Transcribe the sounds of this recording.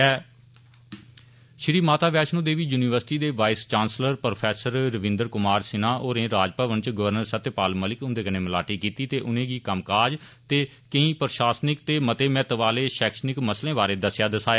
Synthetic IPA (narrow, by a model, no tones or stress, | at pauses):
ɛː | ʃɪɾiːmaːt̪aːʋɛːʃnõːd̪eːʋiːjuːniːʋəɾsɪʈiːd̪eːʋaːɪst͡ʃãːnsləɾpɾopʰɛːsəɾɾəʋɪ̃nd̪əɾkʊmaːɾsɪnãːʔoːɾẽːɾaːd͡ʒpəʋənt͡ʃɡəʋəɾnəɾsət̪paːlməːlɪkʊ̃nd̪eːkəneːməla̰ːʈiːkiːt̪iːt̪eːʔʊnẽːɡiːkəmkaːd͡ʒt̪eː | kəĩːpəɾʃaːsnɪkt̪eːmət̪eːmɛ̃ːt̪əʋaːleːʃɛːkʃnɪkməslẽːbaːɾeːd̪əsjaːd̪əsaːjaː